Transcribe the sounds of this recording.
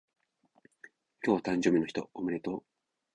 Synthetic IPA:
kʲoːβat̪ãɲ̟d͡ʑo̞ːbʲinoçi̥t̪oomɯ̟ɾet̪oː

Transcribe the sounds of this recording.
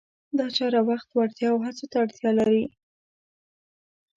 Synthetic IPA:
d̪ɑt͡ʃɑɾawaxt̪waɽt̪jɑwɦat͡sot̪aːɽt̪jɑlaɾi

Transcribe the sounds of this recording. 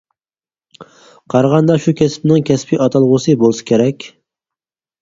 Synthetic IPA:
qʰɑɾʁɑnd̪ɑʃukʲɛspnɪŋkʲʰɛspʰɪʔɑt̪ʰɑlˠʁʊsɨbolˠɨsɨ̥kʲʰeɾɛkʲ

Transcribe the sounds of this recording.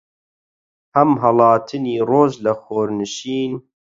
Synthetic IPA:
hɐmɦɐlɑːt̪ʰɨniːroːʒlɐxoːɾnɨʃiːn

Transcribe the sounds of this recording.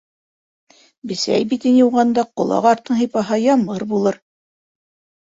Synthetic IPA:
bɘ̆sæ̰jbit̪injuwʁɑnd̪ɑqŏlˠɑ̰qɑɾt̪ːɤ̆ɴɦijpɑɦɑjɑmɤɾbulˠɤɾ

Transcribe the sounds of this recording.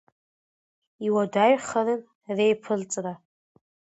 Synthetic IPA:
iwadaɥχaɾɨn | rejpʰɨlt͡sʼra

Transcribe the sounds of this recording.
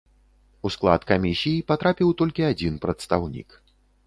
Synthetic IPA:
usklˠa̰t̪kamʲisʲijipat̪ɾapʲiwt̪ɔlʲkʲiad͡zʲinpɾɐt̪st̪awnʲḭk

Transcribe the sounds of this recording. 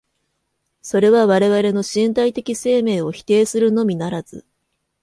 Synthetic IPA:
so̞ɾe̞β̞aβaɾe̞βaɾe̞no̞ɕĩnt̪̬ait̪e̞kʲise̞ːme̞ːo̞çi̥t̪e̞ːsɨɾɯ̟no̞mʲinaɾaz̥ɨ̰

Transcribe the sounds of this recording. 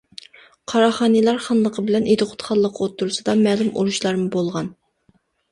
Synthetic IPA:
qʰɑɾɑχɑːnɨlˠɑɾχɑnlˠəqʰəbɪlɛnʔet̪ɨqʰʊ̥t̪χʰɑlˠːəqʰot̪ːuɾsɨd̪ɑmɛːlɪmṵɾuʃlˠɑɾmɨbolˠʁɑn

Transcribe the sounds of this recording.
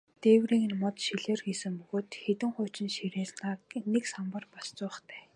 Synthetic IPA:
t̪eːwriːŋɘ̆nmɔt̪ʃiɮeːrxiːsɘ̆ŋpɵɣoːt̪xet̪ɘ̆ŋχʊ̟ːt͡ɕɪ̆nʃiɾeːsnaːneksampə̆rpast͡sʊ̆ːχt̪ʰæː

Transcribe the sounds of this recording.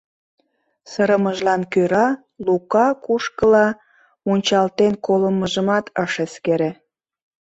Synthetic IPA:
səɾəməʒlɑnkøɾɑ | lukɑkuʃkəlɑ | munʲt͡ɕɑlt̪enkoləməʒəmɑt̪ʰəʃeskeɾe

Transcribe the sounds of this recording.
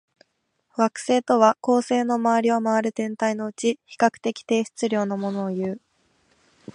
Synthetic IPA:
βakɯ̟̥se̞ːt̪o̞βako̞ːse̞ːno̞maβaɾʲiomaβaɾɯ̟t̪ẽ̞nt̪aino̞ɯ̟t͡ɕiçi̥kakɯ̟̥t̪e̞kʲi̥t̪e̞ːɕi̥t͡sɨɾʲo̞ːno̞mo̞no̞ːjɯ̟ː

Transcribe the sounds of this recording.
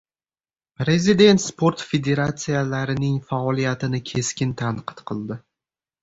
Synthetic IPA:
pɾe̞zid̪e̞nt̪spʰo̞ɾt̪fe̞d̪e̞ɾat̪sijalaɾɪnɪŋfaɒlijat̪ɪnɪkʲʰe̞skʲɪnt̪ʰanqʰɨ̥t̪qʰɨlˠd̪ɪ

